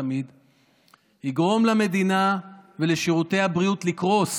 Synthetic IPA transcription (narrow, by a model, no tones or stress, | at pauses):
mid̪ | hiɡʁo̞mlame̞d̪inave̞leʃiʁut̪e̞jhabʁijut̪likʁo̞s